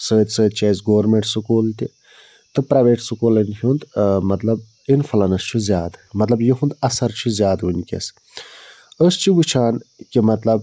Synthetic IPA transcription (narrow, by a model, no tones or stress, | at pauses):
səːt̪ʲsəːd̪̚t͡ʃʰaːsɡoːɾmeɳʈsɨkoːlt̪ʲi | t̪ɨpɾaːʋeːʈsɨkoːlɐnʲɦʲund̪mɐt̪lɐb̚ | infɐlɐnɐst͡ʃʰuzʲjaːd̪mɐt̪lɐbjiɦund̪ɐsɐɾt͡ʃʰuzʲjaːd̪ɦunʲkʲḛs | əst͡ʃʰiɡut͡ʃʰaːnkimɐt̪lɐb